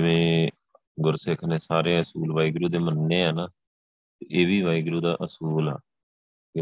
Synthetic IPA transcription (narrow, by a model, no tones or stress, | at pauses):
d͡ʒɪʋẽː | ɡʊɾsɪkʰnẽːsaːɾeːəsuːlʋaːiɡɾuːd̪eːmənːeːaːnaː | t̪eʔeːʋiːʋaːiɡɾuːd̪aːʔəsuːla̰ː